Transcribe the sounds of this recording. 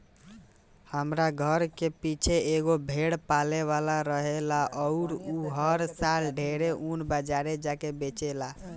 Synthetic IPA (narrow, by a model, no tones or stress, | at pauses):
həmɾaɡʱəɾkepit͡ʃʰeeɡobʱeɽpaleβalaɾəɦelaʔɔʊɾuɦəɾsalɖʱeɾeʔunbəd͡ʒaɾed͡ʒakebet͡ʃela